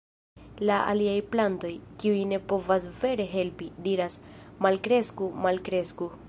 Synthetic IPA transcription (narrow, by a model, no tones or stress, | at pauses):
laʔa̰liajplanto̞jkiujne̞po̞vasve̞ɾe̞ɦe̞lpidiɾasmalkɾe̞skumalkɾe̞sku